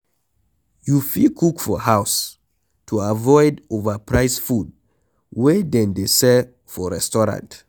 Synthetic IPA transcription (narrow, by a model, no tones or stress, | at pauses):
jufikʰukfɔɦaʊs | tʰuavɔɪdovəpʰɹaɪsfud̚ | wɛdɛ̃ndesɛ | fɔɹɛstɔɹã̰nt